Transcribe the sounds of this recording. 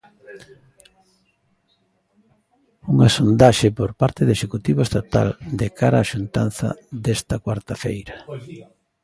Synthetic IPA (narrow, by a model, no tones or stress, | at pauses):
uŋasond̪aʃepoɾpaɾt̪ɪðeʃekut̪iβoest̪at̪a̰ld̪ekaɾaːʃunt̪a̰nθɐ̰d̪est̪ɐkwaɾt̪afḛjɾɐ